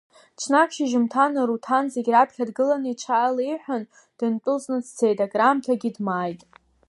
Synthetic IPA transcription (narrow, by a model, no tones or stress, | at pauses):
t͡ʃʰnakʰʃiʒɪmtʰanɨɾutʰanzeɡʲrapʰχʲadɡɨlanɨiʈ͡ʂʰaːlejħʷᶣan | d̥ɨntʼʊznɨdt͡sʰejdaɡramtʰaɡʲɪdmajtʼ